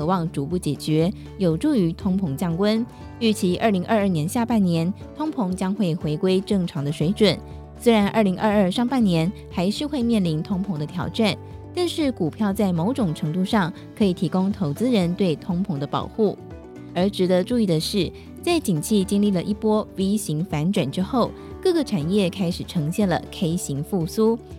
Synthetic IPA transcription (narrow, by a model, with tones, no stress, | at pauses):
kʰɤ˧˥wɑ˥˩ŋʈ͡ʂu˧˥pu˥˩t͡ɕjɛ˨˩t͡ɕɥɛ˧˥ | jo˨˩ʊʈ͡ʂu˥˩y˧˥t̪ʰʊ˥ŋpʰʊ˧˥ŋt͡ɕjɑ˥˩ŋkwə˥n | y˥˩t͡ɕʰi˧˥ʔə˥˩li˧˥ŋʔə˞˥˧ə˥˩njɛ˧˥nɕja˥˧pa˥˩njɛ˧˥n | t̪ʰʊ˥ŋpʰʊ˧˥ŋt͡ɕjɑ˥ŋxwe˥˩ɪxwe˧˥ɪkwe˥ɪʈ͡ʂɤ˥˩ŋʈ͡ʂʰɑ˧˥ŋd̪ə˧ʂwe˧˥ɪʈ͡ʂwə˨˩˦n | swe˥ɪɻa˧˥nʔə˞˥˩li˧˥ŋʔə˞˥˧ə˞˥˧ʂɑ˥˧ŋpa˥˩nnjɛ˧˥n | xa˧˥ɪʂɻ̩˥˧xwe˥˧ɪmjɛ˥˩nli˧˥nt̪ʰʊ˥ŋpʰʊ˧˥ŋd̪ə˧t̪ʰjɑ˧˥ʊʈ͡ʂa˥˩n | t̪a˥˧nʂɻ̩˥˩ku˨˩pʰjɑ˥˧ʊt͡sa˥˩ɪmo˧˥ʊʈ͡ʂʊ˨˩ŋʈ͡ʂʰɤ˧˥ŋt̪u˥˧ʂɑ˥˩ŋ | kʰɤ˧˥i˨˩t̪ʰi˧˥kʊ˥ŋt̪ʰo˧˥ʊt͡sɹ̩˥ɻə˧˥nt̪we˥˩ɪt̪ʰʊ˥ŋpʰʊ˧˥ŋd̪ə˧pɑ̰˨˩ʊxu˥˩ | ə˞˧˥ʈ͡ʂɻ̩˨˧˥d̪ə˧ʈ͡ʂu˥˧i˥˩d̪ə˩ʂɻ̩˥˩ | t͡sa˥˩ɪt͡ɕi˨˩ŋt͡ɕʰi˥˩t͡ɕi˥ŋli˥˩lə˩ʔi˥˩pwɔ˥wi˥ɕi˧˥ŋfa˧˥nʈ͡ʂwa˨˩nʈ͡ʂɻ̩˥xo˥˩ʊ | kɤ˥˩ɡə˨ʈ͡ʂʰa˨˩njɛ˥˩kʰa˥ɪʂɻ̩˨˩ʈ͡ʂʰɤ˧˥ŋɕjɛ˥˩nlə̰˩kʰe˥ɪɕi˧˥ŋfu˥˩su˥